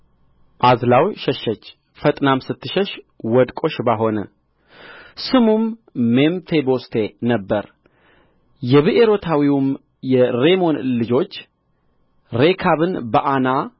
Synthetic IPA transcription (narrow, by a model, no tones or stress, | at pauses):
ʔazlawʃɛʃːət͡ʃː | fət̪ʼnamsɨt̪ʰːɨʃɛʃ | wɔd̪kʼo̞ʃbaɦo̞nə̰ | sɨmumːemfebost̪ʰenəbːə̰ɾ | jɛβɨʔeɾo̞t̪ʰawiwum | jɛɾe̞mo̞nlɨd͡ʒo̞t͡ʃː | ɾekʰaβɨnbəʔana